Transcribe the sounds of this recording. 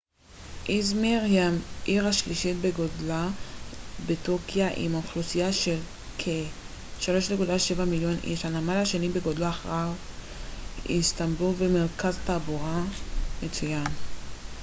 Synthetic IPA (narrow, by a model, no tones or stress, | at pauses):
ʔizmiʁjamʔiʁaʃliʃit̪̚beɡodla | betokjaʔḭmauχlosijaʃel | kʰe | ʃalo̞ʃlekudlaʃevamiljo̞nʔḭʃanamalhaʃenibeɡodlaaχʁav | ist̪ambulvemeʁkaztabuʁamet͡sujan